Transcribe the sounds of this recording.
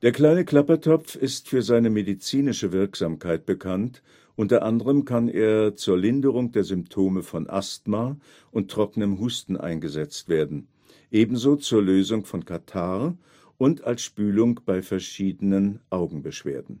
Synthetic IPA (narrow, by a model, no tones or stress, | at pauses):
d̥eːɐkl̥aɪnəkl̥apɐtʰɔp͡fɪstfyːɐzaɪnəmedit͡siːnɪʃəvɪɐkz̥aːmkʰaɪt̚b̥əkʰant | ʔʊntɐʔandəʁəmkʰanʔeːɐt͡suːɐlɪndəʁ̞ʊŋd̥eːɐzʏmptʰoːməfɔnʔa̰stma | ʔʊntːʁ̥ɔkənəmɦuːstn̩ʔa̰ɪnɡəzɛt͡stv̥eːɐdn̩ | ʔeːbm̩zoːt͡suːɐløːzʊŋfɔnkʰatʰaɐ | ʔʊntalsʃpyːlʊŋb̥aɪfɛɐʃiːdənənʔaʊɡŋ̩bəʃv̥ḛːɐdn̩